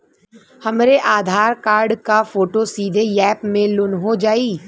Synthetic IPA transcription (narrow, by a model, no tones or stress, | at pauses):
hɐmɾeʔaːd̪ʱaːɾkaːɾɖkafoːʈosiːd̪ʱejɛːpmẽlʊnɦod͡ʒaːiː